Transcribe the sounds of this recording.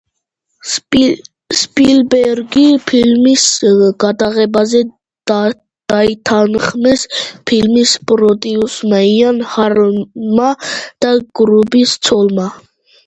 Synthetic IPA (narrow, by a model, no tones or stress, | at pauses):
spilbɛɾɡipʰilmisɡɑt̪ɑʁɛbɑzɛ | d̪ | d̪̥ɑjt̪ʰɑnəχmɛspʰilmispʼɾɔt̪ʼiusmɑjɑnhɑɾmɑd̪̥ɑɡ̥ɾubist͡sʰɔlmɑ